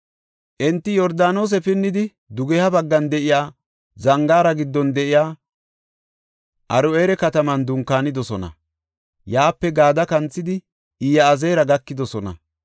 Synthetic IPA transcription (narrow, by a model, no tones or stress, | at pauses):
ʔɛnt̪ːɪjɔɾd̪aːno̞ːs̬ɛpɪnːɪd̪ɪ | d̪ʊɡɛhɐbɐɡːɐnd̪ɛʔɪjaː | zɐŋɡaːɾɐɡɪd̪ːɔnd̪ɛʔɪjaː | ʔɐɾʊeːɾɛkɐt̪ɐmɐnd̪ʊŋkːaːnɪd̪ɔsɔnɐ̰ | jaːpːɛɡaːd̪ɐkɐnt͡sːɪd̪ɪ | iːjɐːzeːɾɐɡɐkːɪd̪ɔsɔnɐ̰